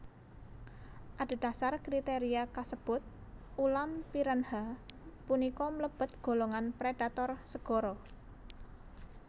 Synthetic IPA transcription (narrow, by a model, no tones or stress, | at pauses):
ʔad̥a̤d̥a̤sarkɾit̪eɾiakasəb̥ʊt̪̚ | ʔulampiɾənhapunikɔmləb̥ə̤t̪̚ɡ̥o̤loŋanpɾeɖ̥at̪ɔrsəɡ̥ɔɾɔ